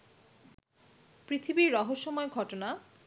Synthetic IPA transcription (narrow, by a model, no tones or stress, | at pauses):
pɾit̪ʰibiɾːɔɦoʃːomɔeɡʱɔʈona